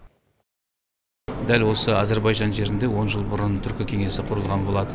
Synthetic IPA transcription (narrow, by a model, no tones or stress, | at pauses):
d̪ælwo̞səɑze̞ɾbɑjʒɑnʒe̞ɾɪnd̪e̞wo̞nʒəlˠbʊɾənt̪ʰʏɾkʲɪkʲʰe̞ŋe̞sɪqʰʊɾəlˠʁɑnbo̞lˠɑd̪ə